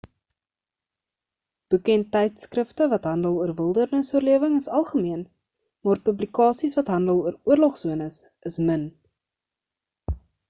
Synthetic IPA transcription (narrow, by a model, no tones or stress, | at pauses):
b̥əkɛntːɛjtskrəftəvɐtɦɐndəlˠuərvəlˠdərnəsuərliəvəŋəsɐlˠχəmiən | mɑːrpəblikɑːsisvɐtɦɐndəlˠuəɾuərlɔχsuənəs | əsmən